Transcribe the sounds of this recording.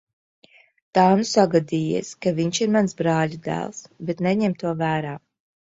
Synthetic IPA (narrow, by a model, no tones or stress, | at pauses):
t̪aːnusaɡad̪iːjɛ̰skaviɲʃiɾmansbɾɑːʎʲud̪æ̰ːlˠsbet̪nɛɲɛmt̪uɔvæːɾaː